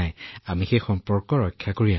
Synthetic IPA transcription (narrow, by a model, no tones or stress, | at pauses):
ajamixejxɔmpɔɹkɔɹɔjkʰːjakoɹia